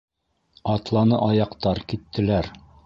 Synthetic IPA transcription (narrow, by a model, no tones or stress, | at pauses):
ɑt̪lˠɑnɤʔɑjɑqt̪ɑɾkit̪ːɘ̆læɾ